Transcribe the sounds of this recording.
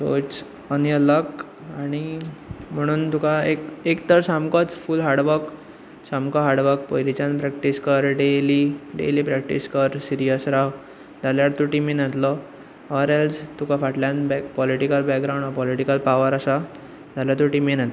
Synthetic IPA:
so̰t͡s | ənjələk | aɽ̃im̤əɽ̃uːnt̪ukaekekt̪əɾsamkɔt͡sfulɦaɽʋək | samkɔɦaɽʋək̚pojlit͡ɕãnpɾɛkʈiskəɾɖeliɖḛlipɾɛk̚ʈḭskəɾsiɾijəsɾaɦ | d͡z̪aljaɽt̪uʈiminat̪lɔ | ɔɾelst̪ukafaʈljanbɛkpɔliʈikəlbɛkɡɾaw̃ɳɖɔpɔliʈikəlpaʋəɾasa | d͡zaljat̪uʈimenat̪

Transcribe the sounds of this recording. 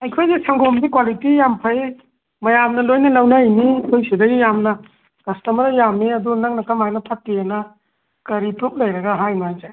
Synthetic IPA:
ɐjkʰojzesʰaŋɡombikwalitijampʰɐj | mɐjamnɐlojnɐlawnajnijkʰojsidɐɡijamnɐ | kɐstɐmɐɾɐjamniɐdunaŋnɐkamajnɐpʰat̚ːijenɐ | kɐɾipɾup̚lɐjɾɐɡaɦajmaajzaj

